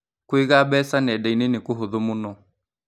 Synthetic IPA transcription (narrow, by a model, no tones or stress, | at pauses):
kwiɣabɛsanɛdɛinɪnɪkʊɦʊðʊmʊnɔ